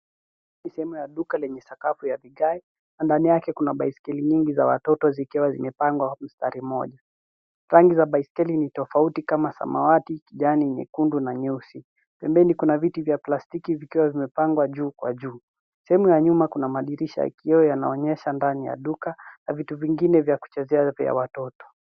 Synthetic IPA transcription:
nisɛhɛmujaɗukalɛɲɛsakafujaviɡai | nandanijakɛkunaɓaiskɛliɲiŋɡizawa̰tɔtɔzikiwazimɛpaŋɡwam̩staɾimɔʄa | ɾaŋɡizaɓaiskɛlinitɔfautikamasa̰ma̰watikiʄaninḭkundunaɲɛusi | pɛmbɛnikunavitivjaplastikivikiwavimɛpaŋɡwaʄuːkwa̰ʄuː | sɛhɛmujaɲumakunamaɗiɾiʃa̰ḭkiɔjana̰ɔɲɛʃandanija̰ɗukanavituviŋɡinɛvjaku̥t͡ʃɛzɛava̰watɔtɔ̥

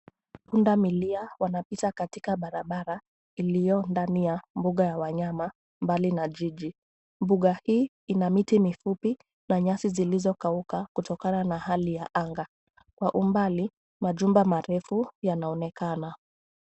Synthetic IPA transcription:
undamiliawanapitakatikaɓaɾaɓaɾa | ilijɔndanijambuɠajawaɲama | mbalinaʄiʄi | mbuɠahiː | inamitimifupi | naɲasizilizɔkaukakutɔkananahalijaʔaŋɡa | kwaʔumbali | maʄumbamaɾɛfujanaɔnɛkana

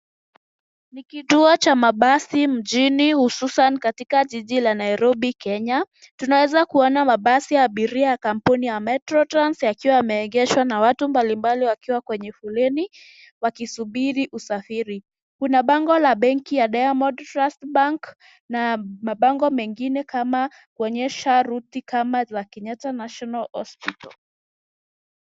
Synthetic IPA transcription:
nikituɔt͡ʃamaɓasim̩ʄinihususanikatikaʄiʄilanaiɾɔɓikɛɲa | tunawɛzakuɔnamaɓasijaːɓiɾiajakam̩punijamɛtɾɔtɾansjakiwaamɛɛŋɡɛʃwanawatumbalimbaliwakiwakwɛɲɛfulɛni | wakisuɓiɾiʔusafiɾi | kunaɓaŋɡɔlaɓɛŋkijaɗajamɔdtɾastɓaŋk | namaɓaŋɡɔmɛŋɡinɛkama | kuɔɲɛʃaɾutikamazakɛnɲatanaʃɔnalhɔ̰spitɔ̰l

